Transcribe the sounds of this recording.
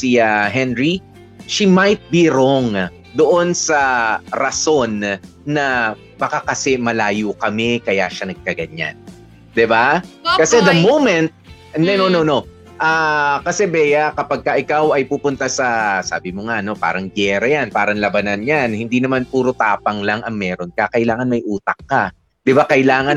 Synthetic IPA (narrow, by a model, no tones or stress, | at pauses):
siaɦɛnɹi | ʃimajt̪̚biɾoŋ | d̪oʔo̞nsɐɾɐso̞nː | ɐ | bɐkakɐsɛmɐlaːjukɐmɛkɐja̰ːʃɐnɐɡ̚kɐɡɐɲa̰n | d̪ɪbakɐsɛt̪d̪ɐmowmɛnt̪̚ | nɛnonono | ʔakɐsɛbɛːjɐkɐpɐɡ̚kɐʔɪkawʔɐjpupʊnt̪asɐsa̰ːbɪmoŋaʔɐno̞pa̰ːɾɐŋɡjɛːɾɐjanpaːɾɐŋlɐbɐnanjanhɪnd̪inɐmanpuːɾot̪aːpɐŋlɐŋʔɐŋmɛːɾo̞nkɐkɐɪlaːŋɐnmɐjʔuːt̪ɐk̚kːɐ | d̪̥ɪbakɐɪlaːŋɐn